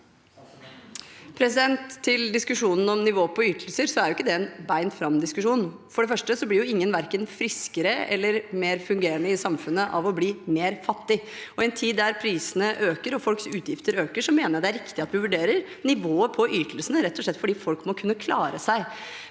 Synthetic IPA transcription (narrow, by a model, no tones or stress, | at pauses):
pʰɾɛsɪd̪ɛnt̪ʰːɪld̪ɪskʉʂuːnən̩ɔmnɪʋoːəpʰɔyːt̪ʰəlsəɾsɔæɾjʊɪkːəd̪ɛɛnbæɪnfɾɑmd̪ɪskʉʂuːnfɔɖɛfœʂʈəsɔblɪɾjʊɪŋːənʋæɾkənfɾɪskəɾəɛ̰lːəɾmeːɾfʉŋɡeːɾənəɪsɑmfʉnːəʔɑʋɔbliːmeːɾfɑt̪ːɪɔɛnt̪ʰiːd̪ːæɾpʰɾiːsənəʔøːkəɾɔfɔlksʉːt̪ʰjɪft̪əɾøːkəʂɔmeːnəɾd̪ɛæɾɪkt̪ɪɑt̪ʋɪʋʉɖeːɾəɾ | nɪʋoːəpʰɔʔyːt̪ʰəlsənəɾɛt̪ʰːɔʂɭɛt̪ːfɔɖiːfɔlkmɔkʰʉnːəkʰlɑːɾəsæɪ